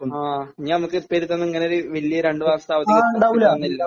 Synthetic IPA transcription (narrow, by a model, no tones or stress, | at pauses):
aːɲːanɐmukːɨpeɾit̪ːɐnːɐŋːɐneoɾɨʋilːijɐɾeɳɖɨʋaːksɐt̪aːʋɐt̪ːiɐɳɖaːʋulɐɐnːilːɐ